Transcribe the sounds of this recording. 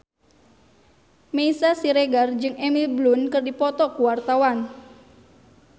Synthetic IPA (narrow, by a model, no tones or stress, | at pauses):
meisasiɾeɡard͡ʒɨŋɛmilblunkɨrdipɔt̪ɔkuwart̪awan